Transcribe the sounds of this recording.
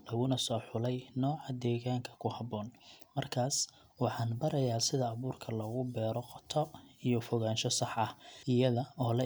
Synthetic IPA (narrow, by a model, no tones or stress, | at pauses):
lɐɣʊnɐsɔːħʊlɛjnɔːʕɑd̪ɛːɣaːŋkʰɐ̥kʰʊhɑβɔːnmɐrkʰaːs | wɑħɑːnbɐɾɐjaːsɪðɐːβuːrkʰɐlɐɣʊbɛːɾɔqɔt̪ʰɔijɔfɔɣaːnʃɔsɑħɐhɪjɐðɐɔːlɐ